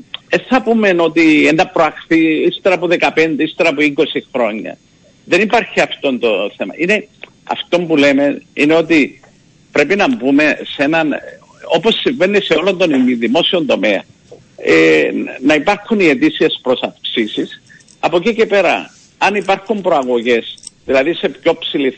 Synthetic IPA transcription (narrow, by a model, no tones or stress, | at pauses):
esθɐpume̞no̞t̪iend̪ɐpɾoɐxθiist̪eɾɐːpuðe̞kɐpe̞nd̪eist̪e̞ɾɐapoiko̞sixɾo̞ɲːɐ̰ | ðe̞nipɐɾçiɐft̪o̞nt̪o̞θe̞mɐ̰ʔine̞ | ɐ̰ft̪o̞mbule̞me̞ineot̪i | pɾe̞pinɐmbume̞se̞nɐn | o̞po̞sːiɱve̞nːiseo̞lo̞nd̪o̞nimiðimo̞sio̞nd̪o̞me̞ɐ̰ | enɐipɐɾxunie̞t̪isie̞spɾo̞sɐfksisis | ɐpo̞cice̞pe̞ɾɐ̰ | ɐnipɐɾxumbɾo̞ɐɣo̞ʝe̞sðilɐðise̞pço̞psili